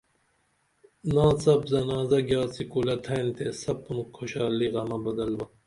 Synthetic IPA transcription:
nãːsɐbzɐnaːzɐɡjaːsikuːlɐt̪ʰɐjnt̪ʰesɐb̚umkʰoɕaːliɣɐmɐbɐd̪ɐlbɐ

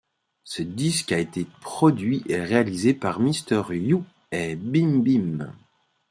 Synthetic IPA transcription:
səd̪iskaet̪epχɔd̪ɥiʔeʁealizepaʁmist̪œʁju | ebimbim

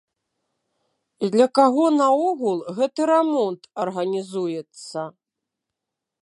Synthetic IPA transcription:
id̪lʲɐkaɣɔnɐɔɣulˠɣɛt̪ɨɾɛmɔnt̪ɐrɣɐnʲizujɛt̪sːɐ

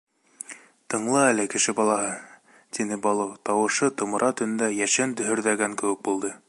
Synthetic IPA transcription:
t̪ɤ̆ɴlˠɤælɘkɘ̆ʃɘbɑlˠɑɦɤ | t̪inɘbɑlˠɤwt̪ɑwɤ̆ʃɤt̪ŏmɤ̆ɾʔɑt̪ɵ̆n̆nd̪æjæʃænd̪ɵ̆ɦɵ̆ɾðæɡæŋkɘ̆wɘ̆k̚bulˠd̪ɤ

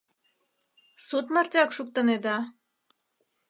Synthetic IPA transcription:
sut̪mɑrt̪ʲɑkʃuk̚t̪ə̆ned̪ɑ

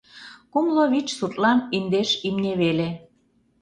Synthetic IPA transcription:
kumloβit͡ɕsut̪ʼlɑnind̪eʃimneβele

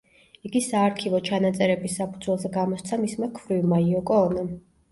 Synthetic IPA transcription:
iɡisaːɾkʰivɔt͡ʃʰanat̪sʼɛɾɛbisːapʰud̪zwɛlˠzɛɡamɔst̪sʰamismakʰvɾivmaiɔkʼɔːnam

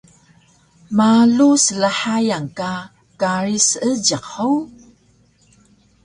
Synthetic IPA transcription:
malusəlaħajaŋka | kaɾisəɟəqow

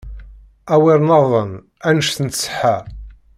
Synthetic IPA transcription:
æwɪɾˤnɑðˤən | ænəʃθənsə̥ħæ

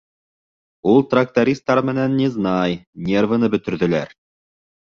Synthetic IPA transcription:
ulˠt̪rak̚t̪aɾʲist̪ːɑɾmɘ̆nænːʲiznɑjnʲervə̆nɤbɵ̆t̪ɵ̆ɾðɵ̆læɾ

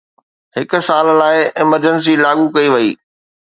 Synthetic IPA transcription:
hɪkʊ̆saːllaːɪɪməɾd͡ʑəns̬ilaːɠukɐiʋɐḭː

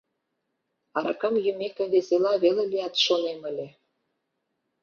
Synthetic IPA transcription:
ɑɾɑkə̆mjymekəβeselɑβelelijɑt̪ʃonemə̆lʲe

